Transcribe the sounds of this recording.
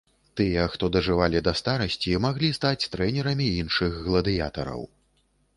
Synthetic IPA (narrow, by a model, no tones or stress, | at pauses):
t̪ɨjɛxt̪ɔd̪ɐʐɨvalʲid̪ɐst̪aɾɐsʲt͡sʲimaɣlʲist̪at͡sʲt̪ɾɛnʲɛɾɐmʲiinʂɨɣɣlˠɐd̪ɨja̰t̪ɐɾɐ̰w